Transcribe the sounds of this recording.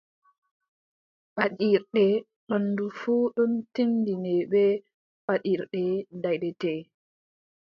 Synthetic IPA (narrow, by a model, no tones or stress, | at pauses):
ɓaɗiɾɗɛ | ɓanːdufuːɗuntindinɛɓɛ | ɓaɗiɾɗɛdajɗɛtɛ